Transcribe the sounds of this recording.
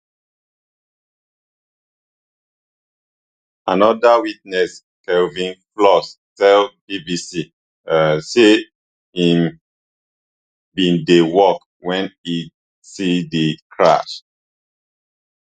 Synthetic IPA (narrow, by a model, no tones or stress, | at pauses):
anɔdawit̚nɛs | kɛlvĩnflɔs | tɛlbibisi | se | ĩm | bĩndewɔk | wɛ̃ni | sidikʰɹa̰ʃ